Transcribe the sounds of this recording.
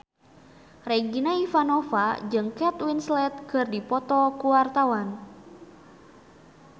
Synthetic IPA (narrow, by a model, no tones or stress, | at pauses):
reɡinaifanɔfad͡ʒɨŋkɛt̪winslɛt̪̚kɨrdipɔt̪ɔkuwart̪awan